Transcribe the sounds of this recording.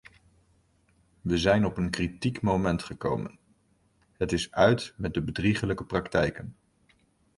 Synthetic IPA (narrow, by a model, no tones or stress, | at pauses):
ʋəzɛjnɔpənkritikmomɛntχəko̰wmə̰n | ɦətɪsœɥtmɛt̚dəbədriχələkəprɑktɛjkən